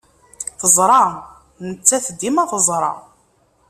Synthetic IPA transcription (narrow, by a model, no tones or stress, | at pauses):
θəzˤɾˤɑ | nət͡sːæθd̪imæθəzˤɾˤɑ̰